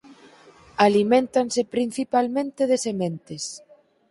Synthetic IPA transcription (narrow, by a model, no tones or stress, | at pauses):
alimẽnt̪ansɪpɾin̟θipalmẽnt̪ɪðesemẽnt̪ɪs